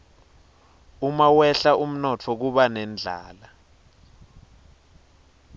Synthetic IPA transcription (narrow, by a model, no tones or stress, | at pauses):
umawɛɬaʔum̩nɔt͡fʰɔk̬uɓanɛnd͡ɮʱa̰ːla